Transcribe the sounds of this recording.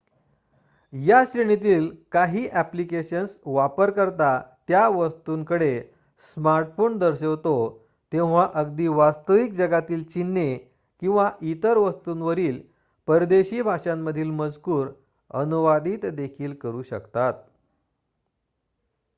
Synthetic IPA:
jaɕɾeɳ̃it̪̬iːlkaɦiːʔæplikeɕənsʋapəɾkəɾt̪at̪jaʋəst̪uːŋkəɽe | smaɾʈfoɳd̪əɾɕəʋt̪o | t̪ẽw̃ʋaʔəɡd̪iːʋast̪əʋik̚d͡zəɡat̪iːlt͡ɕinːe | kĩw̃ʋaʔit̪əɾʋəst̪uːnʋəɾiːl | pəɾd̪eɕiːbʱaʂãmːəd̪ʱiːlməd͡zkuːɾ | ə̰nuʋad̪iːt̪d̪ekʰiːlkəɾuːɕə̰kt̪at̪̚

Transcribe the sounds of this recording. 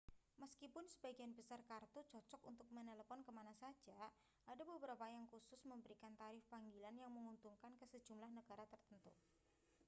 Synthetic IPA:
məskipʊnsəbaɡianbəsarkart̪ut͡ʃɔt͡ʃɔkunt̪ʊk̚məneləfɔnkəmanasḁd͡ʒ̥a | ʔadabəbəɾapajaŋkusʊsməmbəɾikant̪aɾɪfpaŋɡilanjaŋməŋunt̪uŋkankəsə̥d͡ʒ̥umlahnəɡ̥aɾat̪ərt̪ənt̪u

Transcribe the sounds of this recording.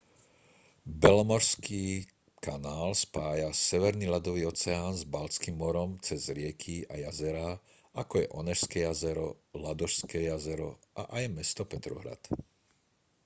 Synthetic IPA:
bɛlɔmɔɾskiː | kanaːlspaːjasɛʋɛɾniːlad̪ɔʋiːɔt͡sɛaːnzbalt͡skiːmːɔɾɔmt͡sɛzɾɪɛkʰiajazɛɾa | akɔjɛʔɔnɛʃskɛjazɛɾɔlad̪ɔʃskɛjazɛɾɔ̰ʔa̰ʔajmɛst̪ɔpɛt̪ɾɔ̰ɦɾa̰t̪

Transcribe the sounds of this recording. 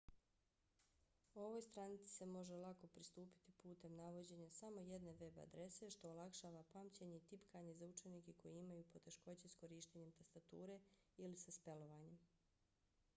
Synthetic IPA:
uo̞ʋojst̪ɾanit̪si̥se̞mo̞ʒelˠako̞pɾist̪uːpi̥t̪ipuːt̪e̞mnaʋo̞d͡ʑe̞ɲasamo̞je̞d̪ne̞ʋe̞ba̰d̪ɾe̞se̞ʃt̪o̞ːlˠakʃaːʋapaːmt͡ɕeɲe̞it̪ipkaːɲe̞zaut͡ʃe̞niːkeko̞jiimajuːpo̞t̪e̞ʃko̞t͡ɕesko̞ɾiːʃt̪eɲe̞mt̪ast̪at̪uːɾe̞ilisaspe̞lo̞ʋaːɲe̞m

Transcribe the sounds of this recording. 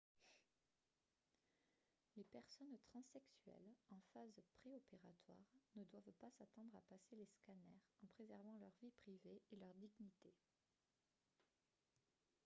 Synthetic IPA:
lepɛʁsɔnt̪χɑ̃sɛksyɛ̰lɑ̃fazpχeopeʁat̪wa̰ʁnəd̪wavpasat̪ɑ̃d̪ʁapaseleskanɛʁɑ̃pχezɛʁvɑ̃lœʁvipχiveelœʁd̪iɡnit̪e

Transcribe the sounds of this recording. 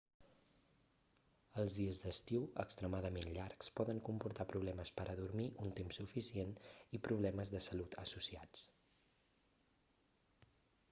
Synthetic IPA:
əlˠzðiəzd̪əst̪iwə̰kst̪ɾəmaðəmenʎaɾkspɔðəŋkumpuɾt̪apɾuβlɛməspəɾʔəðuɾmiʔunt̪emsːufisienipɾuβlɛməzðəsəlut̪ʰəsusiat͡s

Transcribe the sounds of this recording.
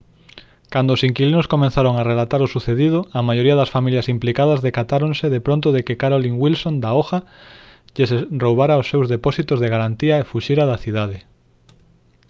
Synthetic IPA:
kand̪oːsiŋkilinʊskomẽnθaɾoŋarelat̪aɾʊsuθeðið̞ʊɐmajoɾiɐðɐsfamiljɐsimplikaðɐzðekat̪aɾonseðepɾõnt̪ʊðekekaɾoliŋwilsõnd̪aoxɐ | ʎeserowβaɾaosːewzðepɔsit̪ʊzðeɣaɾant̪iaefuʃiɾaðɐθiðaðe

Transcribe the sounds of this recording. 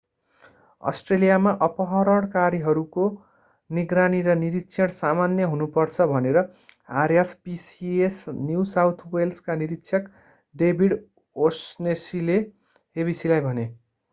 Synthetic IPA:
ʌ̰sʈrelijamaʔʌpʌɦʌɾʌɽkaɾiɦʌɾuko | niɡraniɾʌniɾit̪sʰʌɽsamanjʌɦunupʌrt͡sʰʌbʱʌneɾʌɦarjaspisiesnjusawt̪ʰwelskaniɾit̪ːsʰʌk | ɖebʱiɽ | osnesile | hebisilajbʱʌne

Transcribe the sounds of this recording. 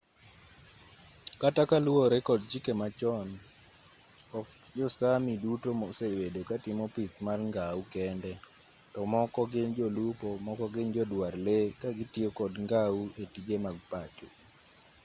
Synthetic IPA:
katakalwoɾekɔdt͡ʃikemat͡ʃɔn | ɔkd͡ʒɔsamidutomɔsewedokatɪmɔpit̪marŋɡaukɛndɛ | tɔmɔkɔɡɪnd͡ʒɔlupɔmɔkɔɡɪnd͡ʒɔdwarlekaɡɪtiokɔdŋɡauetiɡemaɡpat͡ʃo

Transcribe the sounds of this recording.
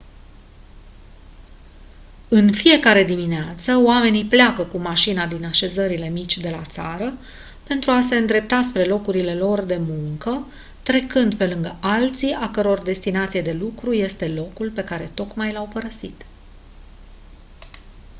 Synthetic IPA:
ɨnfije̞kaɾe̞d̪imineat̪səoame̞nipleakəkumaʃinad̪inaʃe̞zəɾile̞mit͡ʃʲd̪e̞lat̪saɾə | pe̞nt̪ɾuase̞ɨnd̪ɾe̞p̚t̪aspɾe̞lo̞kuɾile̞lo̞rd̪e̞muŋkə | t̪ɾe̞kɨnd̪pe̞lɨŋɡəʔalt̪siakəɾo̞rd̪e̞st̪inat̪sijed̪e̞lukɾuje̞st̪e̞lo̞kulpe̞kaɾe̞t̪o̞kmajlawpəɾəsit̪

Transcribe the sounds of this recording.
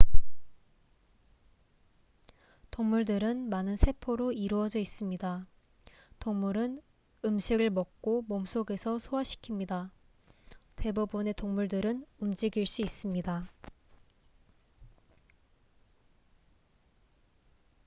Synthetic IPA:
toŋmuɭdɯɾɯnmanɯnsʰe̞pʰoɾoiɾuʌd͡ʑʌis͈ɯmɲida | toŋmuɾɯn | ɯmɕʰiɡɯɭmʌk̚k͈omomsʰoɡe̞sʰʌsʰoaɕʰi̥kʰimɲida | te̞bubune̞toŋmuɭdɯɾɯnumd͡ʑiɡiɭs͈uis͈ɯmɲida

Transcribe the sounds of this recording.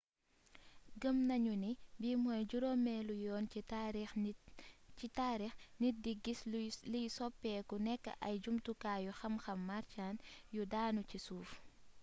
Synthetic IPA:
ɡəmnɐɲunibimɔːjɟuɾɔmɛːlujɔːniaɾ | itaːɾixnidiɡːislijsɔpːɛːkunɛkːə̰ʔɐjd͡ʒumtukaːjuxɐmxɐmːaɾcaːnjudaːnucisuːf

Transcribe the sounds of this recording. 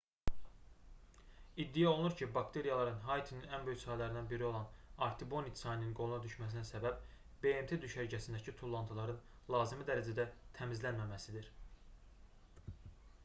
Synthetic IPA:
id̪ːijæo̞lˠnuɾcʰibɑkt̪ʰe̞ɾijɑlˠɑɾɯnɦɑjt̪ʰininænbøjysɑːjlæɾinænbiɾio̞lˠɑnɑɾt̪ʰibo̞nik̪sɑjnininɡo̞lˠunɑd̪yʃmæs̬inæsæbæb | b̥e̞emt̪ʰe̞d̪yʃæɾɟʰæsind̪æcʰit̪ʰulˠːɑnt̪ʰulˠɑɾɯn | lˠɑːzimid̪æɾæd͡ʒæd̪æt̪ʰæmizlænmæmæsid̪iɾ̥

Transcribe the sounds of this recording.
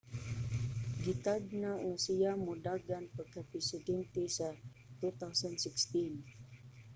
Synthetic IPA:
ɡit̪aɡ̚naʔŋasiamudaɡanpəkapisidɛnt̪isa | t̪ut̪awsənsikst̪in

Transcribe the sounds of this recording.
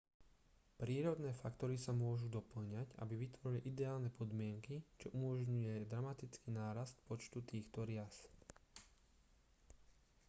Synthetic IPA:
pɾiːɾɔd̪nɛːfakt̪ɔɾisamʊɔʒud̪ɔpl̩ɲaca̰biʋit̪ʋɔɾiliʔid̪ɛaːlnɛpʰɔd̪mɪɛŋkit͡ʃɔʔumɔʒɲujɛd̪ɾamat̪it͡skinaːɾast̪pɔt͡ʃt̪ut̪iːxt̪ɔɾɪas

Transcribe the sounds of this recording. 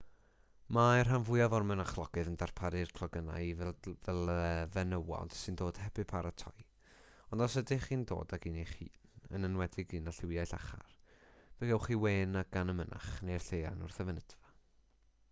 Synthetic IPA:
mar̥ɦanvʊjavɔrmɛnaχlˠɔɡ̥ɨðəndarpʰaɾɨrkʰlˠɔɡəna̰jvvɛlˠəvɛnəwɔ̰d̥sɨndoːd̥hɛbɨpʰaɾatʰɔ̰j | ɔndɔsədɪχiːndo̰ːdaɡiːnejχḭːnənənwɛdɪɡiːnaɬɪwjajɬa̰χa̰rv̥ɛɡɛwχiweːnaɡ̥anəməna̰χnejrɬeja̰nʊrθɛvənədva

